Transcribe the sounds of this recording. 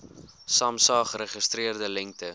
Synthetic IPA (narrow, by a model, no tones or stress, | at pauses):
sɑːmsɑːχəɾəχəstriərdəlɛŋk̚tə